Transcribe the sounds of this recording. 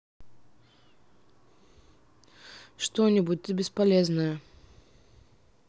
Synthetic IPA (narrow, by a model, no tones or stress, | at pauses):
ʂt̪onʲɪbut̚ʲt̪ɨbʲɪspɐlʲeznəjə